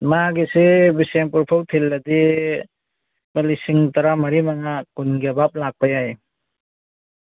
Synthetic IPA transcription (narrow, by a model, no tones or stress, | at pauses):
maɡisibisempuɾpʰawtʰelːɐdi | balisiŋtɐɾamɐɾimaŋakunɡebap̚lak̚pajaj